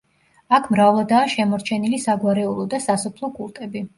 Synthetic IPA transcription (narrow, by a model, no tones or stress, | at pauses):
akʰmɾavlˠad̪aːʃɛmɔɾt͡ʃʰɛnilisaɡwaɾɛulˠɔd̪asasɔpʰlˠɔkʼulˠt̪ʼɛbi